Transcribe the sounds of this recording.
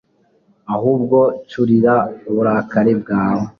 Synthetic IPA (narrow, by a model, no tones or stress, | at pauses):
ahuːb̚ɡo̞t͡ʃuɾiɾauβuɾaːkaɾeb̚ɡaːwo